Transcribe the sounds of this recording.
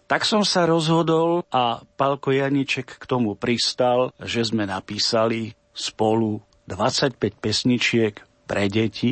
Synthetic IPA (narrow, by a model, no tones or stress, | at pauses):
t̪aksɔmsaɾɔzɦɔd̪ɔlapalkɔjaɲit͡ʃɛkːt̪ɔmupɾist̪alʒɛzmɛnapiːsali | spɔlu | d̪ʋat͡sacpɛc̚pɛsɲit͡ʃɪɛk | pɾɛɟɛci